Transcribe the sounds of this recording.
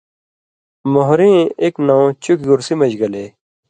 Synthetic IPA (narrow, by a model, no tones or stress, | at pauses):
moɦɾĩːeːknãõt͡ɕukɡuɾsimɐd͡ʑɡɐleː